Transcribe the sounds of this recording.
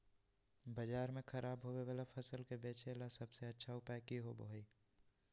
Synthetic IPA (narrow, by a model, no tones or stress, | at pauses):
bɐd͡ʒaːɾmẽxɐɾʔaːbɦoːweʋaːlapʰɐsəlkebeːt͡ʃelasɐbseɐtːʃʰaʊpajkiɦobəɦiː